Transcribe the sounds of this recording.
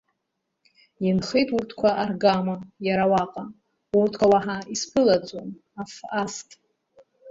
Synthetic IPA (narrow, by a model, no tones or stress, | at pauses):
jɪnχejtʼurtʰkʷʰaarɡamajaɾawaqʼa | urtʰkʷʰawaħaispʰɨlad͡zʷʼom | afastʼ